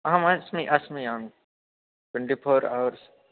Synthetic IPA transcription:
ɦɐ̃mɐsmiʔasmiãːŋ | ʈwẽɳʈipʰoːɾa̰ʋəɾs

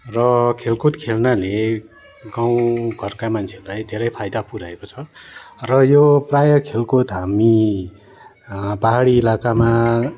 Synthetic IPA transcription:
rʌkʰelkot̪kʰelnale | ɡaw̃ɡʱʌrkamant͡sʰerulajd̪ʱeɾʌjpʰajd̪apuɾaekot͡sʰʌrʌjoprajʌkʰelkot̪ɦami | paɦaɽiːlakama

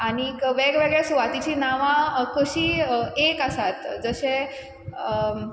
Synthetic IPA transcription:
añikʋeɡʋeɡɭesuʋat̪it͡ɕinaʋãkuɕiekəsat̪d͡zəɕe

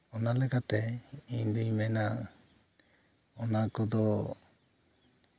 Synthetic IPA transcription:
ɔnalɛkat̪ɛiɲd̪uɲmɛna | ɔnakɔd̪ɔ

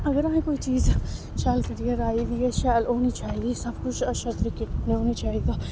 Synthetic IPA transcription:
ɐɡəɾaːɦẽkoːit͡ʃiːz | ʃaːlkɐɾijɐɾaːid̪iɛʃaːloːnit͡ʃaːɦiɡiːsɐbkʊt͡ʃʰɐʃɐt̪ɾikɪneoːnit͡ʃaːɦiɡ̪aː

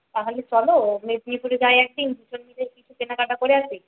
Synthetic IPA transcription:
t̪aɦolet͡ɕɔlomed̪nipuɾeɡaeɛk̚ɖinb̪ut͡ɕonmid̪ekit͡ɕʰupenakaʈakoɾeat͡ɕʰe

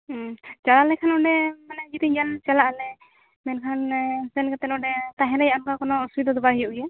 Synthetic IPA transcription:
t͡ʃalalɛkʰanɔɖɛmanɛɡit̪iɡalt͡ʃalaʔlɛ | mɛnkʰansɛnkat̪ɛnɔɖɛt̪aɦɛɾajaankakɔnɔusid̪ɔd̪ɔbaɦijɔʔjɛ

